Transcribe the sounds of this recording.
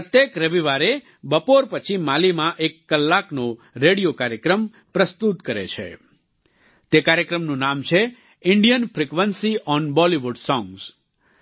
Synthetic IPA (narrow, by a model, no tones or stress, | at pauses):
pət̪jekɾəʋiʋaɾe | bəpoɾpət͡ʃʰimalimãʔekːəlːakno | ɾeɽijokaɾjəkɾəm | pɾəst̪ut̪kəɾḛt͡ʃʰḛ | t̪ekaɾjəkɾəmnũnamt͡ʃʰe | ɪɳɖijənfɾikʋənsiʔɔnbɔliʋuɖsɔ̃ŋɡs